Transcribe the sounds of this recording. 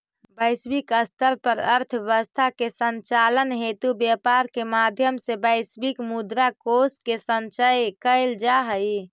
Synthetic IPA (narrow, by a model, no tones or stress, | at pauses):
bəɪsbikəst̪əɾpəɾəɾt̪ʰeʋəst̪ʰakesənt͡ʃalənɦet̪ubjəpaɾkemad̪ʱjəmsebəɪsbikmud̪ɾakoskesənt͡ʃəjkəɪld͡ʒaɦəj